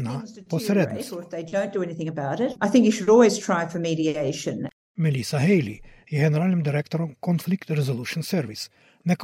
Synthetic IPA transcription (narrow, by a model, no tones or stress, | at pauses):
napɔsɾɛd̪nɔðeɪdõʊ̃nd̥ɨɛniθɪ̃ŋɨbaʊɾɪtʔaɪθɪ̃ŋkjɨʃɨɾɔlˠwiz̥tʰɹ̥aɪfə˞miɾieɪʃɨ̰̃n | mɛlisaɦejlḭ | ɛɡɛnɛɾalɛmd̪iɾɛkt̪oɾɔmkɔnflikt̪ɾɛzoluʃunsɛɾvis | nɛk